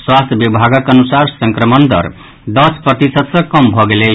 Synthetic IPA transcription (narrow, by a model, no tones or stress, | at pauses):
swast̪ʰjbibʱaɡʌkʌnusaɾsʌŋkɾʌmʌnd̪ʌ̰ɾ | d̪ʌsprʌt̪isʌt̪sʌ̃kʌmbʱʌɡele